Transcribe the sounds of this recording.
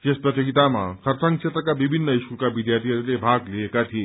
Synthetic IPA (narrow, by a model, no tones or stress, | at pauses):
t̪espɾət̪jəɡit̪ama̰kʰəɾsãŋkt͡ʃʰet̪ɾəkabibʱinːəisukabid̪jaɾt̪ʰiəɾlebʱaɡliekat̪ʰie